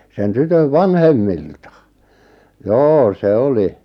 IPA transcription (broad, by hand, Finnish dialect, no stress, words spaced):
sen tytøʋ ʋɑnhemːiltɑ joː se oli